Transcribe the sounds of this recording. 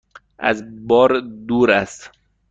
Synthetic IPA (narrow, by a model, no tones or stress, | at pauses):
æ̰zbɔːɾd̪uːɾæst̪